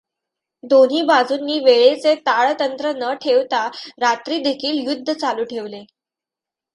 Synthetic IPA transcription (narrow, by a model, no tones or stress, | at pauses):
d̪on̤ɦiːbad͡zuːnːiːʋeɭet͡set̪aɭt̪ənt̪ɾənəʈʰeʋt̪aɾat̪ɾiːd̪ekʰiːljud̪ʱːət͡saluːʈʰeʋle